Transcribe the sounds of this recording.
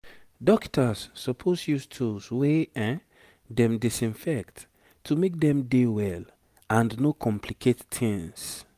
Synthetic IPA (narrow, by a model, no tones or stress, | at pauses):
dɔktʰasːɔpʰosjustʰusweɛ̃ | dɛ̃mdisĩnfɛkt | tʰːumek̚dɛ̃mdewɛl | ãndnokʰɔ̃mpʰlikʰetːʰĩŋs